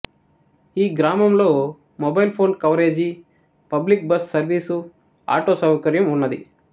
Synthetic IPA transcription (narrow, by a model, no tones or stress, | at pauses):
iːɡɾaːmɐmlo̞ː | mɔbɐjlpʰo̞ːnkɐʋɾe̞ːd͡ʒi | pɐblik̚bɐssɐɾʋiːsu | a̰ːʈoːsɐwɐkɐɾjɐmunːɐd̪ḭ